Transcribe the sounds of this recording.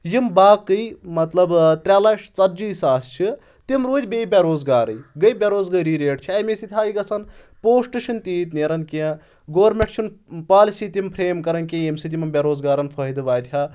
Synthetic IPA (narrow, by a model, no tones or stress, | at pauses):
jimbaːkːɨjmɐt̪lɐbt̪ɾʲaːlɐʃt͡sɐɾd͡ʒiːsaːst͡ʃʰi | t̪imɾuːd͡ʒʲbeːbʲɐɾoːzɡaːɾɨjɡəjbʲɐɾoːzɡɐjɾiːɾeːʈt͡ʃʰiɐjmesit̪ʲʰaːjiɡɐsʰɐn | poːsʈɨʃʰint̪iːt̪neɾɐnkiɐ̃ | ɡoːɾmʲeʈt͡ʃʰunpaːlisiːt̪impʰɾeːmkɐɾɐnkʲĩjemsit̪̬imɐmbʲɐɾoːzɡaːɾɐnpʰɐid̪ɨʋaːjt̪ʲʰjaː